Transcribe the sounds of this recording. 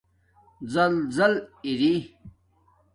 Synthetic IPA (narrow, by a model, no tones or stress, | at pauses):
zɐlzɐliɾi